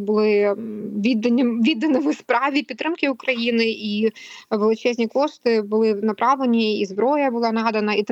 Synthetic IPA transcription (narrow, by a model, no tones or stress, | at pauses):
bʊlˠɪʋʲid̪ɐnʲʋʲid̪ɐnɪʋʊspɾɑʋʲipʲit̪ːɾɪmkʲɪʊkɾɐjinɪiʋelˠɪt͡ʃɛzʲnʲikɔʂt̪ɪbʊlˠɪnɐpɾɑʋlˠenʲiizbɾɔjɐbʊlˠɑnɑd̪ɐnɐit̪